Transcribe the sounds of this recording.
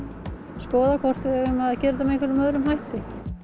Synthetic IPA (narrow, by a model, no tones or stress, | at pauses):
skɔːðakʰvɔr̥t̪ɪɛɣʏmaðcɛːɾt̪amekvɛɾʏmœðɾʏmhajht̪ɪ